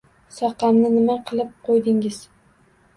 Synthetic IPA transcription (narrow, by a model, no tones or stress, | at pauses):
sɒqɑmnɪnɪmaqʰɨlˠɪp̚qʰojd̪ɪŋɪz̥